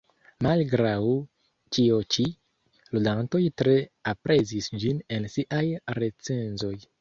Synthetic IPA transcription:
malɡɾaw | t͡ʃiot͡ʃi | ludanto̞jtɾe̞apɾe̞zisd͡ʒine̞nsiʔajɾe̞t͡se̞nzo̞j

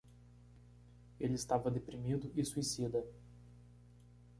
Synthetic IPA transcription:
elɪɪst̪avɐd̪epɾimid̪ʊʔɪsuisid̪ɐ

